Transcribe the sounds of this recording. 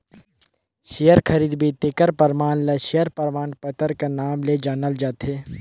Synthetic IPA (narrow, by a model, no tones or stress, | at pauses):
ʃijəɾkʰɐɾiːd̪bʱit̪eːkəɾpəɾmaːnleʃijəɾpəɾmaːnpət̪əɾkanaːmled͡ʒaːnəld͡ʒaːt̪ɦeː